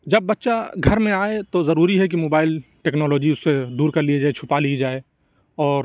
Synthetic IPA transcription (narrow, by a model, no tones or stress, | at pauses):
d͡ʒɐbːɐtːʃaɡʱɐɾmẽaːet̪ozɐɾuːɾiɦɛk̬imoːbaːɪlʈeːknɔːlɔːd͡ʒiʊsːed̪uːɾkɐɾlied͡ʒaet͡ʃʰʊpalied͡ʒaːe | ɔːɾ